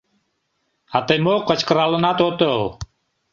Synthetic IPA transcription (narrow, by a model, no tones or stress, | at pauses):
at̪əjmoqːət͡ɕkəɾalənat̪ot̪əw